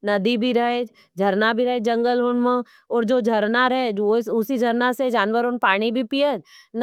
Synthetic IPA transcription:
nɐd̪ibʱiɾɐɦe | d͡ʒʱɐɾnabʱiɾəɦed͡ʒɐ̃ŋɡəlɦʊnmẽ | ɔːɾd͡ʒoːd͡ʒʱɐɾnaɾɛɛɪsʊsid͡ʒʱɐɾnased͡ʒaːnʋəɾonpaːɽ̃ibʱipijət̪n

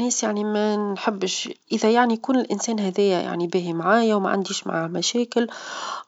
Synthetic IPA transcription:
nɛːsjaʕnimænħɪbːʃʔəðæjaʕnikuːnɪlʔɪnsɛːnɦæðɛːjːæja̰ʕnibɪːɦimʕaːjæwmæ̰ʕa̰nd̪iːʃma̰ʕamæʃɛːkɪl

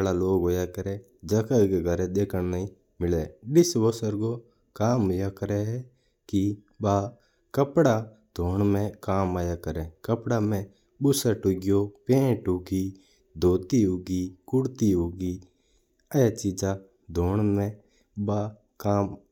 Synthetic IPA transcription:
laloːɡɦoːjakəɾeː | d͡ʒəkakɡʱəɾed̪eːkʰənnaĩ | mɪleːɗɪsʋosəɾɡo | kaːmɦojaːkəɾɛɦɛ | kɪ | baː | kəpɽa | d̪̥ʱoːɳmẽkaːmaːjaːkəɾẽːkəpɽamẽ | bʊsaʈʊɡɪjopẽːʈʊɡiː | d̪ʱoːt̪iɦoːɡiːkʊɽt̪iɦoːɡiː | əjat͡ʃiːd͡ʒa | d̪ʱoːɳmẽ | baː | kaːm

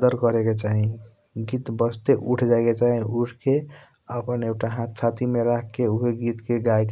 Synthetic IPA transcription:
d̪əɾkʌɾeket͡ʃaɦĩ | ɡit̪bəsʰt̪eʔuʈʰd͡ʒaeket͡ʃaɦĩuʈʰke | əpənekʈaɦãt̪̚t͡ʃʰat̪ʰimeɾakkeuɦeɡit̪keɡajk

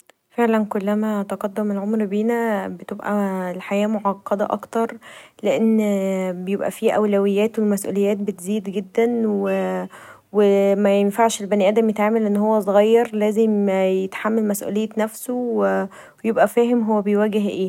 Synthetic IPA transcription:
feʕlænkolːæmæt̪ɑqɑd̪ːomelʕomɾbiːnæbet̪ebʔælħajæːmoʕɑqːɑd̪æʔɑ̰kt̪ɑɾˤleʔenːbejebʔæ̰fiːʔæwlæwejːæːt̪welmæsʔṵːlejːæːt̪̚bet̪ziːd̪ɡed̪ːænwwe | wemæjenfaʕʃelbæniʔæːd̪æmjet̪ʕaːmælʔenːhowːæsˤoɣɑjːɑɾˤlæːzemjet̪ħamːælmæsʔṵːlejːenæfsowe | ejebʔæfæːɦemɦowːæbejwæɡeɦʔeː

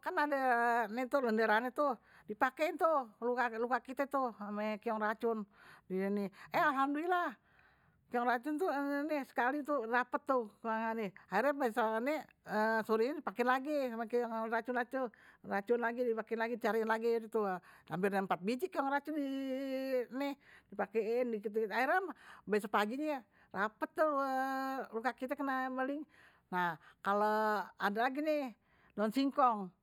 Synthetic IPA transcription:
kanadanɛt̪uləndeɾanɛt̪u | dipakɛint̪ulukalukaʔkit̪et̪uhamekiɔŋrat͡ʃʊndiniɛalɦamdolilah | kiɔŋrat͡ʃʊnt̪unisə̥kalit̪udapət̪ːukəlaŋanɛhaɛrɛbasanɛ | əsoɾiɲedipakɛnlaɡiamakiɔŋrat͡ʃʊnlat̪urat͡ʃunlaɡidipakenlaɡit͡ʃaɾinlaɡidt̪uampirnaəmpat̪̚bid͡ʒikaŋrat͡ʃudi | nɛdipakɛndikit̪uaiɾambaasapaɡiɲa | rapət̪ːu | lukakit̪akənambəlɪŋ | nahkaloadalaɡini | dɔnsiŋkɔŋ

